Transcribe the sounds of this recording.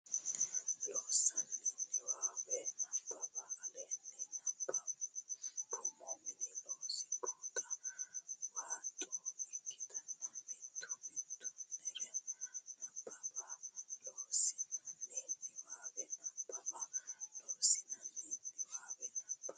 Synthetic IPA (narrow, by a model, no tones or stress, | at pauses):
losaliiwaɓɛnabʱʼaɓalɛniakpʼa | kʰʼumominilosi̥kʰʼɔtʼa | wantʼuiitaaitʰumtʰunɛlɛnapʼaɓalosinalimiwaɓɛnabʱʼaɓalosinalimwaɓɛnḁa